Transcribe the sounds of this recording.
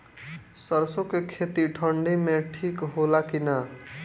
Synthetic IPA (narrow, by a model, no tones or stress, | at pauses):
sʌɾsokekʰet̪iʈʰʌɳɖimeʈʰikɦolakina